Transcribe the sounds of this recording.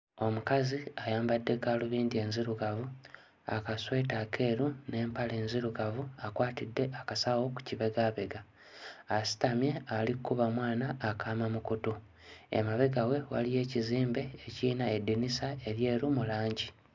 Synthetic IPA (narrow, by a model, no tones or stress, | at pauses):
o̞mukaziajaːmbadːe̞kaːluβiːndie̞ːnziɾuɡavu | a̰kaswe̞ːtakʰe̞ːɾune̞ːmpale̞ːnziɾuɡavuakwaːtidːe̞akasawo̞ku̥ciβe̞ɡaβe̞ɡaː | si̥tamje̞alikːuβamwaːnaʔːkʰaːmamukuto | ḛmaβe̞ɡawe̞wa̰lije̞ːciziːmbe̞ːciːnaedːinisae̞ɾje̞ːɾumulaːɲɟi